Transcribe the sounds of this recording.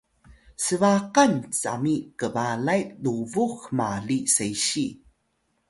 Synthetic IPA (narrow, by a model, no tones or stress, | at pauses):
səvaqant͡sa̰mikəvaɮajluvuxmaɮisejɕi